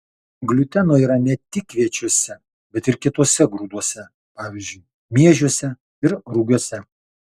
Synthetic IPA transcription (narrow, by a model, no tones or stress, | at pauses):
ɡlʲʊt̪ʲɛnoːiːɾɐnʲɛt̪ʲɪkːʋʲiɛt͡ʃʲoɔsʲɛ | bʲɛt̪ɪɾkʲɪt̪oːsʲɛɡɾuːd̪uɔsʲɛ | pɑːʋʲɪzʲd͡ʒʲʊɪ | mʲiɛʒʲuɔsʲɛ | ɪɾɾuɡʲuːsʲɛ